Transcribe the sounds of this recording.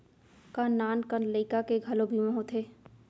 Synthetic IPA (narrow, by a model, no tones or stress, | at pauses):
kanːaːnkənləɪkakeɡʱɐlobʱimə̃ɦot̪ʰeː